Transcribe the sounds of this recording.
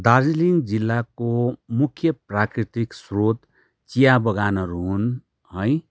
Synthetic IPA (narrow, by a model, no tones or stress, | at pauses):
d̪ad͡ziliŋd͡zilːakomukʰjʌprakɾit̪iksrot̪ | t͡sijabʌɡanʌɾun | hʌj